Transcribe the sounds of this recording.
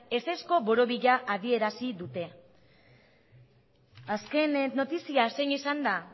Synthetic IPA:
e̞sesko̞βo̞ɾo̞βiʎaʔað̞ie̞ɾasiðut̪e̞ | aske̞neno̞t̪isiaseɲisand̪a

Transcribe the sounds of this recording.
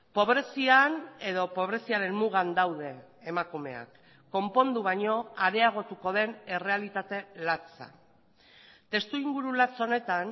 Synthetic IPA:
po̞βɾe̞siane̞ðo̞po̞β̞ɾe̞siaɾe̞nmuɣ̞and̪awðe̞ːmakume̞̰a̰kː | o̞mpo̞nd̪uβ̞aɲo̞aɾe̞aɣ̞o̞t̪uko̞ð̞e̞ne̞re̞alit̪at̪e̞lat͡sa̰ | t̪e̞st̪uiŋɡuɾulat͡so̞ne̞t̪an

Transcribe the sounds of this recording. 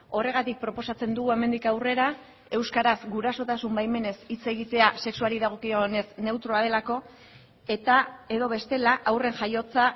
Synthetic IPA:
o̞re̞ɣ̞at̪ik̚pɾo̞po̞sat͡se̞nd̪uɣue̞me̞nd̪ikawre̞ɾa | e̞wskaɾasɡuɾaso̞t̪asumbajme̞ne̞sit͡se̞ɣ̞it̪e̞ase̞ksualiðaɣ̞o̞kione̞sne̞wt̪ɾo̞aðe̞lako̞ | e̞t̪ae̞ðo̞βe̞st̪e̞laʔawre̞nʝajo̞t͡sa

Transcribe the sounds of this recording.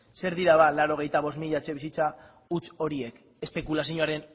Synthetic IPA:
se̞ɾðiɾaðalaɾo̞ɣ̞e̞jt̪aβo̞smiʎat͡ʃe̞βisit͡sa | ut͡ʃo̞ɾie̞k | e̞spe̞kulasiɲoaɾe̞n

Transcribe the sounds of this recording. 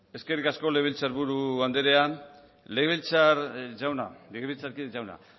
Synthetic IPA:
e̞ske̞rikasko̞leβ̞ilt͡saɾβuɾuβand̪eɾe̞a | leɣβilt͡saɾd͡ʒawna̰leɣeilt͡saɾkid͡ʒawna̰

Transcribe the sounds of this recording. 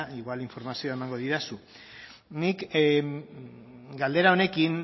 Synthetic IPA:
iɣwaliɱfo̞ɾmasioaemaŋɡo̞ðiɾasu | nik | ɡald̪e̞ɾao̞ne̞kiŋ

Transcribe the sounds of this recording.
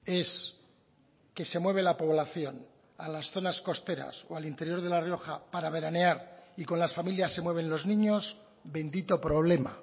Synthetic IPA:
e̞s | ke̞se̞mwe̞β̞e̞lapo̞β̞laθjo̞n | a̰lasθo̞nasko̞st̪e̞ɾa̰soalint̪e̞ɾjo̞ɾð̞e̞lario̞xapaɾaβe̞ɾane̞aɾiko̞nlasfamiljasːemwe̞β̞e̞nlo̞znĩɲo̞z | be̞nd̪it̪o̞pɾo̞β̞le̞ma̰

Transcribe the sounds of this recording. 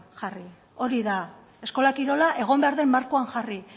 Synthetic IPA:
xari | o̞ɾiða | e̞sko̞lakiɾo̞laʔe̞ɣ̞o̞mbe̞aɾðe̞mːaɾkoaŋʝari

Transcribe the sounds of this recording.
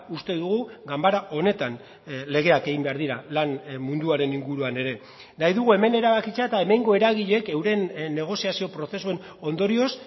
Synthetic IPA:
ust̪e̞ðuɣuɡambaɾaʔo̞ne̞t̪an | le̞ɣ̞e̞ake̞ɣimbe̞aɾðiɾalanmund̪uaɾe̞niŋɡuɾuane̞ɾe̞ | najðuɣue̞me̞ne̞ɾaβakit͡seaet̪ae̞me̞ŋɡo̞e̞ɾaɣ̞iʎe̞ke̞wɾe̞nnːe̞ɣ̞o̞siasio̞pɾo̞θe̞sue̞n | o̞nd̪o̞ɾio̞s

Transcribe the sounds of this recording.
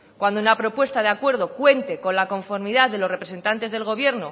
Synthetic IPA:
kwand̪ounapɾo̞pwe̞st̪að̞eakwe̞ɾð̞okwe̞nt̪e̞ko̞nlako̞ɱfo̞ɾmiðaððelo̞sre̞pɾe̞se̞nt̪ant̪e̞zð̞e̞lɣ̞o̞βje̞ɾno

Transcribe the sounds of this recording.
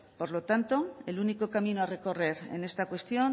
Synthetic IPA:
po̞ɾlo̞t̪ant̪o̞eluniko̞kamĩnoare̞ko̞re̞ɾe̞̰ne̞st̪akwe̞st̪jo̞n

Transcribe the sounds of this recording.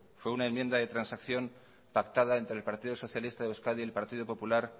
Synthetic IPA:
fwe̞unaemje̞nd̪aðe̞t̪ɾansakθjo̞m | pakt̪aðae̞nt̪ɾe̞lpaɾt̪iðo̞so̞θjalist̪aðeuwskaðielpaɾt̪ið̞opo̞pulaɾ

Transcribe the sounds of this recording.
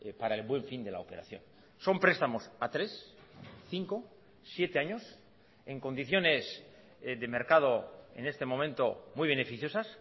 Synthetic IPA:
paɾaelβwe̞ɱfind̪e̞la̰ope̞ɾa̰θjo̞̰n | so̞mpɾe̞st̪amo̞sat̪ɾe̞sθiŋko̞ | sje̞t̪e̞aɲo̞s | e̞ŋko̞nd̪iθjo̞ne̞s | ðe̞me̞ɾkað̞o̞e̞̰ne̞st̪e̞mõ̞mẽ̞nt̪o̞mujβe̞nefiθjo̞sas

